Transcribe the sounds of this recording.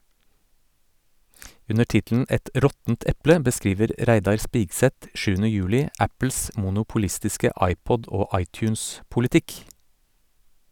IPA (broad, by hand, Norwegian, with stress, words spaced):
ˈʉnə ˈʈɪtln̩ ˈɛt ˈʔɾɔtn̩t ˈɛplə bəˈskɾiːʋəɾ ˈʔɾæɪdɑɾ ˈspiːɡsɛt ˈʃʉːn̩ə ˈjʉːlɪ ˈæpl̩s mʊnʊpʊˈlɪstɪskə ˈʔɑɪˌpɔd ˈoː ˈʔɑɪˌtjʉːnspʊlɪˌtɪk